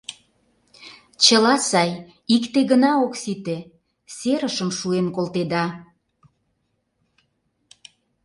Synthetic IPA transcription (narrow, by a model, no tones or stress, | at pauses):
t͡ɕəlɑsɑj | ikt̪eɣənɑoksit̪e | seɾəʃəmʃuemkolt̪ed̪ɑ